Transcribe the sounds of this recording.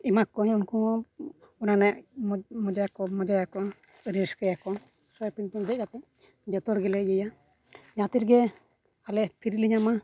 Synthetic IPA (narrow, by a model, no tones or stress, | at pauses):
imakɔɲunku | unanɛʔmɔd͡ʒajakɔmɔd͡ʒajakɔ | ɾiskəjakɔ | sɔjpint̪ɔnd̪ɛc̚kat̪ɛ | d͡ʒɔt̪ɔɾɡɛlɛjəja | d͡ʒãt̪iɾɡɛ | alɛpʰiɾliɲama